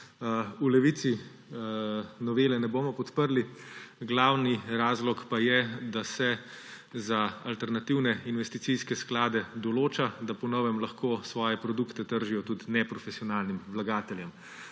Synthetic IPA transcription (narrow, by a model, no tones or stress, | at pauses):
ulɛʋit̪si | nɔʋeːlɛnɛboːmɔpɔt̪pəɾliɡlawniɾaːzlɔkpajɛd̪asɛ | zaalt̪ɛɾnat̪iwnɛinʋɛst̪it̪sijskɛsklaːd̪ɛd̪ɔloːt͡ʃad̪apɔnɔʋɛmlaxkoːsʋɔːjɛpɾɔd̪ukt̪ɛt̪əɾʒijɔt̪ut̪nɛpɾɔfɛsiɔnaːlnimʋlaɡaːt̪ɛljɛm